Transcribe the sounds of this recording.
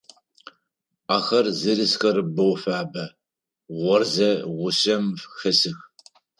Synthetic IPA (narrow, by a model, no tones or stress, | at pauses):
aːxɐrzɨɾɨsxɐrɨbɐwfaːbɐ | ʁʷɔrzɐʁʷʊɕɐmfxɐsɨx